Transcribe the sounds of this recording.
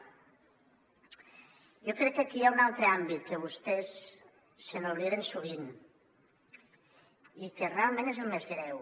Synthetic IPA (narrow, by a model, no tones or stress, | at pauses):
jokɾɛk̚ːakiaunalˠt̪ɾəambit̪̚kəβ̞ust̪ɛsː | ənoβliðensuβ̞in | ikerealˠmẽnezelˠmezɣɾɛw